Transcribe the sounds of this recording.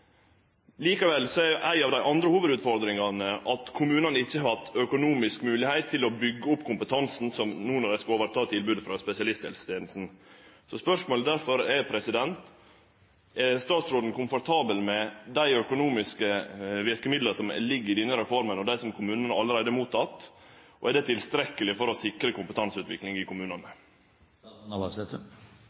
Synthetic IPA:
liːkɑʋɛlsɔɛɾjʔæɪɑʋd̪æɪʔɑnd̪ɾəhuːʋəd̪ʉːt̪fɔɾd̪ɾɪŋɑnəʔɑt̪kʰʊmʉːnɑnəɪçːəɦɑt̪œkʊnuːmɪskmʉːlɪhæɪt̪ʰːɪlɔbʏɡːəʊpːkʰʊmpət̪ʰɑnsn̩sɔmnuːnɑɾɛskoːʋəɾt̪ʰɑːt̪ʰɪlbʉːd̪əfɾɑspɛsɪɑlɪst̪hɛ̰lsə̥t̪ʰeːnl̩sn̩ | sɔspœʂmoːləd̪æɾfɔɾɛpʰɾɛsɪd̪ɛnt̪ | ɛst̪ɑːt̪sɾoːd̪n̩kʊmfɔɾt̪ʰɑːbəlmɛd̪æɪœkʊnuːmɪskəʋɪɾkəmɪd̪ləsɔmɛ̰lɪɡːɪd̪ɛnːəɾɛfɔɾmənɔd̪æɪsɔmkʰʊmʉːnənəɑlːəɾæɪd̪əɛɾmuːt̪ʰːɑt̪ːʔɔ̰ʔɛɖ̪ɛt̪ʰɪlst̪ɾɛkːəlɪfɔɾɔsɪkɾəkʊmpət̪ɑnsʉːt̪ʋɪ̰klɪŋɪkʊmʉːnɑnə | ɑsɛt̪

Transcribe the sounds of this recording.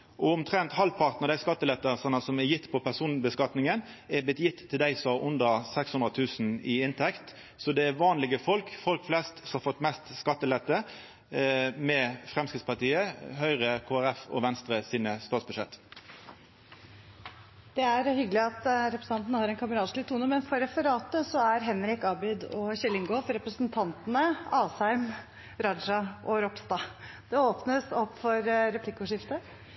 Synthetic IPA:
ʔɔʊmt̪ʰʁɛnt̪hɑlpʰɑʁt̪nəʁd̪æɪskɑt̪ːəlɛt̪ːəsɑnəsɔmɛjɪt̪ːpʰɔpʰæʁsuːnbəskɑt̪nɪŋən | ɛblɪt̪jɪt̪ʰːɪld̪æɪsɔʔʊnd̪əʁsɛkshʉnʁət̪ʰʉːsn̩ɪɪnt̪ʰɛkt̪ | sɔd̪ɛæʋɑːnlɪɡəfɔlkfɔlkflɛst̪sɔmhɑfɔt̪ːmɛst̪skɑt̪ːəlɛt̪ːə | mɛfʁɛmskɾɪt̪spɑt̪iːəɦœʏʁəkʰoːæʁɛfɔ̰ʋɛnst̪ɾəsiːnəst̪oːsbʉʃɛt̪ː | d̪̥ɛæɾhʏɡəlɪɑt̪ɾɛpɾəs̩ɑnt̪nəhɑːɾɛnkʰɑməɾɑːt̪ʂlɪt̪ʰːuːnəmɛnfɔɾɛfəɾɑːt̪əsɔæɾɦɛnɾɪkɑbɪd̪ɔɕɛlɪŋɡʊfɔɾɛpɾəsnt̪ʰɑnt̪ənəɑːsæɪm | ɾɑnʂɑʔɔɾɔpst̪ɑːd̪̥ɛoːpnəsɔpːfɔɾɾɛpʰlɪkːʊʂɪft̪ə

